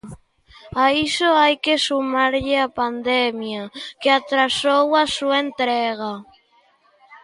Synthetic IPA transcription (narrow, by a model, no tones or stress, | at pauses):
aisoajkesumaɾʎɪapand̪ɛmjakeat̪ɾasowasuaent̪ɾɛɣ̞a